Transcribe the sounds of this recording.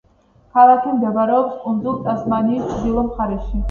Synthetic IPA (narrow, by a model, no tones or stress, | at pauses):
kʰalakʰimd̪ɛbaɾɛɔpskʼund̪zulˠt̪ʼasmaniːst͡ʃʰʼd̪ilˠɔmχaɾɛʃi